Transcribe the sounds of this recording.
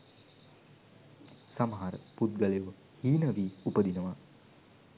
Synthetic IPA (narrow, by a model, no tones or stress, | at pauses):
saməɦaɾəput̪̚ɡaleuʋə | hiːnəʋiːupəd̪inəʋa